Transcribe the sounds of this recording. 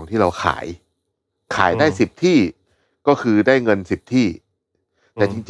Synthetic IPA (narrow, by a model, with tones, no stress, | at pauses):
ŋt̪ʰiː˥˩ɾa˧wxʰa̰ː˩˦j | kʰa̰ː˩˦jdaː˥˩jsi˨˩p̚t̪ʰiː˥˩ | kɔː˥˩kʰɯː˧daː˥˩jŋɤ˧nsi˨˩p̚t̪ʰiː˥˩ | t̪ɛː˨˩t͡ɕi˧ŋt͡ɕ